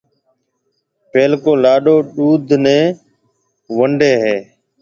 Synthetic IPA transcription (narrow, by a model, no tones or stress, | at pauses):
peːlkoːlaːɗoːɗuːd̪ʱnẽː | ʋəɳɖeːɦeː